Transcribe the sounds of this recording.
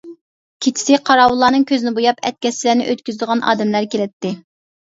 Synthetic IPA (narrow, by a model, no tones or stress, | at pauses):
kʲʰet͡ʃʰɪ̥sɪqʰɑɾɑːwulˠːɑːnɨŋkʲøzɪnɪbojɑpʰɛ̰t̪̚kʲɛslæːnɪ̰ʔøt̪kʲyzd̪əʁɑnʔɑ̰ːd̪ɛmlæɾkʲelɪt̪ːɪ